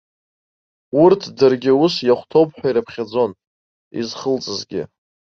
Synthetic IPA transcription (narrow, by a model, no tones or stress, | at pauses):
urtʰdɨrɡʲɪusjaχʷtʰowpʰʼħᶣʷaiɾapʰχʲad͡zo̞n | ḭzχəlt͡sʼɨzɡʲɪ̰